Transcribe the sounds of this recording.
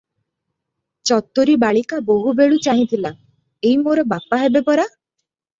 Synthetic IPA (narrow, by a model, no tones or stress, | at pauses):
t͡ʃɔt̪ːoɾibaɭikaboɦubeɭut͡ʃaɦĩt̪ʰila | eɦimoɾɔbapaɦebepɔɾa